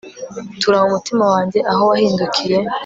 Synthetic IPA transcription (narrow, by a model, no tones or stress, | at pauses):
tuɾahumutimawaːɲɟe̞ʔaɦo̞wahiːndukʰije̞